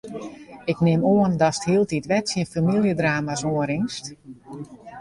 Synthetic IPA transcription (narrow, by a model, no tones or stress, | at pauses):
ɪknɪmoəndɔsthiəlˠtitʋɛtsiənfamilˠjədraːmasoəɾɪŋst